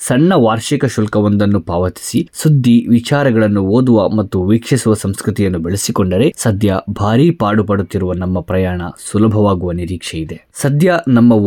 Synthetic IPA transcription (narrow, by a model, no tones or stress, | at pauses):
sɐɳːɐʋaːɾʃikɐʃulkɐʋond̪ɐnːupaːʋɐt̪i̥sisud̪ʱːiʋit͡ʃaːɾɐɡɐɭɐnːuoːd̪uʋɐmɐt̪ːuʋiːkʂisuʋɐsɐmskɾut̪ijɐnːubeɭesikoɳɖɐɾe̞sɐd̪jɐbʱaːɾiːpaːɽupɐɽut̪ːiɾuʋɐnɐmːɐpɾɐjaːɳɐ̰sulɐbʱɐʋaːɡuʋɐniɾiːkʂejid̪e̞ | sɐd̪ʱjɐnɐmːɐ